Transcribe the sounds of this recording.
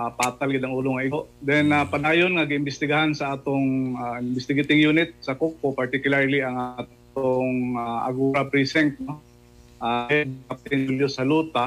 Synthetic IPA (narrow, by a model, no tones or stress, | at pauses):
apaːt̪alɡɪd̪aŋʔuːloŋaʔɪɡoʔd̪ɛnapanaːjonŋaɡɪɪmbɪst̪ɪɡaɦansaʔaːt̪oŋaɪmbɪst̪ɪɡet̪ɪŋjuːnɪt̪̚sɐkokːopaɹt̪ɪkjʊlaɹliaŋaat | t̪oŋaʔa̰ɡuːɾapɾisɛnt̪̚no | ʔaɛd̪kap̚t̪ɪŋɪljosɐluːt̪a